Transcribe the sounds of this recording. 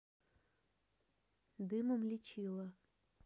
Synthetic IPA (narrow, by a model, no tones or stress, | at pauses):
d̪ɨmomlʲit͡ɕilˠɐ